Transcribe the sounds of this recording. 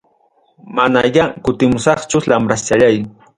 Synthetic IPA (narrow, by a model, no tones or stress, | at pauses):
manajakʊt̪ɪmʊsɑχt͡ʃʊlamɾast͡ʃaʎaj